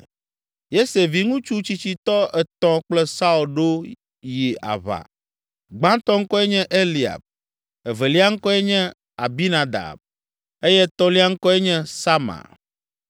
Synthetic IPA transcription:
je˦se˨vi˨ŋũ˦t͡ʃu˦t͡ɕi˦t͡ɕi˦t̪ɔ˦ʔɛ˨t̪ɔ̃˦k͡plɛ˦sa˦u˨lɖo˦ | ji˨a̰˨βa̰˨ | ɡ͡bã˦t̪ɔ˦ŋ̩˦kɔ˦ɛ˦ɲɛ̃˦ʔe˦li˨a̰˨b̚ | ɛ˨ve˨li˦a˦ŋ̩˦kɔ˦ɛ˦ɲɛ̃˦ | a˨bi˦nã˨d̪a̰˨b̚ | e˦jɛ˦t̪ɔ˦li˦a˦ŋ̩˦kɔ˦ɛ˦ɲɛ̃˦sa˦mã̰˨

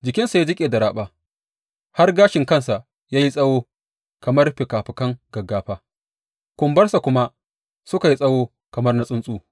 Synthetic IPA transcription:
d͡ʒɪ˨kʲɪ˦nsa˨ja˦d͡ʒɪ˦kʲʼeː˨da˨ɽaː˦ɓaː˨ | ha˦rɡaː˦ʃɪ˨ŋkɐ˦nsa˨ʔ | jaː˦ji˦sʼɐ˦woː˦ | kɐ˨mɐ˦rɸɪ˨kaː˨ɸɪ˨kɐ˦ŋɡɐ˨ɡaː˦ɸaː˦ | kʷʊ˨mbɐ˦rsa˨kʷʊ˦ma˦ | sʊ˦ka˨ji˦sʼɐ˦woː˦ | kɐ˨mɐ˦rna˦sʼʊ˦nsʼuː˦

